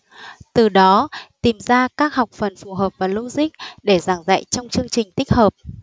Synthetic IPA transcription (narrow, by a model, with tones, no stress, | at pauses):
t̪ɨ˨˩ɗɔ˨˦t̪i˨˩mzaː˧kaː˦˥k̚ɦɔ˨˩wk͡p̚fə˨˩nfu˨˩ɦəː˨˩p̚vaː˨˩lu˧zï˦˥k̚ɗe˧˩zaː˧˩ŋza̰ː˧˨jt͡ɕɔ˧wŋ͡mt͡ɕɨ˧əŋt͡ɕï˨˩ŋ̟t̪i˦˥k̟̚həː˨˩p̚